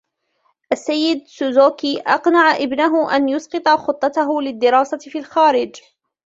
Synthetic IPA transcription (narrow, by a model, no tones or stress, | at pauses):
ʔasːajːɪd̪̚sʊzoːkiːʔɑqnaʕaʔɪbnaɦʊʔa̰njʊsqɨt̪ˤɑxʊt̪ˤːɑt̪aɦʊlɪd̪ːɪɾɑːsafiːlxaːɾɪd͡ʒ